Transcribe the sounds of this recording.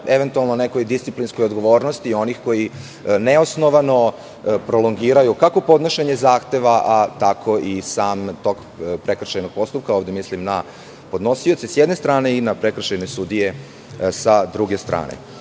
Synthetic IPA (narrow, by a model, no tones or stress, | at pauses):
e̞ʋent̪ualˠnoneko̞jd̪ist̪si̥plinsko̞jod̪ɡo̞ʋo̞ːɾnost̪io̞nixko̞ji | neosno̞ʋano̞ | pɾo̞loŋɡiːɾajukako̞po̞d̪noʃeɲezaːxt̪eʋaʔat̪akʰo̞isaːmt̪o̞k | pɾe̞kr̩ʃejnoɡ̚po̞st̪up̚kaoːʋd̪emislimna | po̞d̪no̞sio̞t̪sisjed̪ne̞st̪ɾaːne̞inapɾekr̩ʃejnesud̪ije̞ | sad̪ɾuɡest̪ɾʔa̰ːnḛ